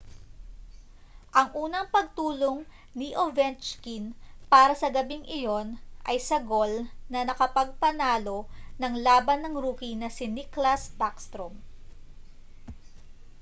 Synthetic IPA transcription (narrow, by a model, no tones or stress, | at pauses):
ʔɐŋʔuːnɐŋpɐɡ̚t̪uːlo̞ŋ | niʔovɛnt͡ʃkinpaːɾɐsɐɡɐbiŋʔɪjo̞nʔɐjsɐɡo̞lnɐnɐkɐpɐɡ̚pɐnaːlo̞nɐŋlaːbɐnːɐŋɾuːkinɐsɪniklɐsbakst̪ɾom